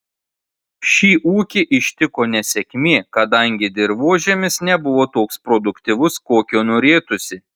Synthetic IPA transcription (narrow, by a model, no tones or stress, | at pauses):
ʃʲiːʔuːkʲɪʔɪʃʲt̪ʲɪkoːnʲɛsʲɛkʲmʲeːkɐd̪ɐŋʲɡʲɪd̪ʲɪɾʋuɔʒʲɛmʲɪsnʲɛbʊʋoːt̪oːkspɾɔd̪ʊkt̪ʲɪʋʊskoːkʲoːnoːɾʲeːt̪ʊsʲɪ